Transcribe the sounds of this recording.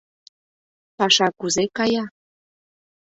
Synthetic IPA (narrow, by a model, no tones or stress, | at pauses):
pɑʃɑkuzekɑjɑ